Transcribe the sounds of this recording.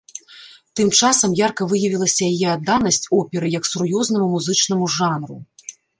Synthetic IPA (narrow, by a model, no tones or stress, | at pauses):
t̪ɨmt͡ʂasɐmjarkɐvɨjɐvʲilˠɐsʲɐjajɛad̪ːanɐsʲt͡sʲɔpʲɛɾɨjɐksuɾjɔzn̪ɐmumuzɨt͡ʂn̪ɐmuʐanɾu